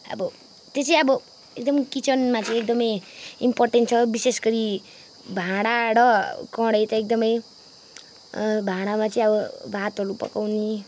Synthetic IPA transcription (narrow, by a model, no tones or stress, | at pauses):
ʌ̰bʌ | t̪et͡sʰʌj̃ʌbʌ | ek̚d̪ʌmkit͡sʌnmat͡sʌĩek̚d̪ʌmʌjimporʈenʈ̚t͡sʰʌbisesɡʌɾi | bʱãɽaɾʌkʌ̃ɽʌjt̪ʌek̚d̪ʌmʌj | bʱãɽ̃amat͡sʌĩʌbʌbʱat̪ɦʌɾupʌ̰kawni